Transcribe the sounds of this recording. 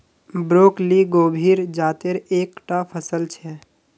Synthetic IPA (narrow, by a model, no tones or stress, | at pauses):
bɾoːkliɡoːbʱiːɾd͡ʒaːt̪eɾeːkʈapʰəsəlt͡ʃʰɛː